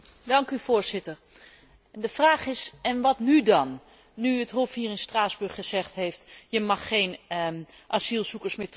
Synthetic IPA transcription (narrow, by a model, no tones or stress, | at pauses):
dɑŋkyvoːɹzɪtər | dəfraːχɪsɛnʋɑtnydɑnː | yətɦofhiːrɪnstraːzbɵɹχəzɛχtɦejftjəmɑχːejn | ʔasilˠsukəɹsmɪːt